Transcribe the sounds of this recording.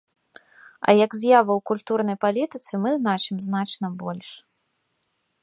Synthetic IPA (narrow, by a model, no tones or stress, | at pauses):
ɐ̰jɐɡzʲjavɐwkulʲt̪urnɐjpalʲit̪ɨt̪sɨmɨznat͡ʂɨmznat͡ʂnɐbɔlʲʂ